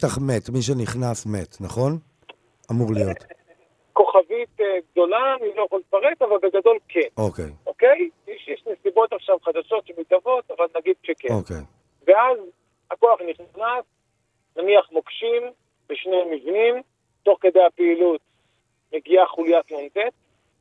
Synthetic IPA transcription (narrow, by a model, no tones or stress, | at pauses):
t̪aχmet̪miʃ̬eniχnasmet̪naχo̞n | amuʁlijot̪ | ko̞χavit̪eɡd̪o̞laːnilojaχolifaʁetavalbeɡad̪o̞lkʰenokḛjokejjeʃjeʃnesibo̞t̪aχʃavχad̪aʃo̞t̪t͡ʃemit̪avo̞t̪avalnaɡid̪̚ʃekeokḛnj | veaz | ako̞aχniχnas | naniaχmokʃim | beʃnemivnim | tːo̞χked̪ejapeilut̪ | me̞ɡiaχulijatlont̪et̪̚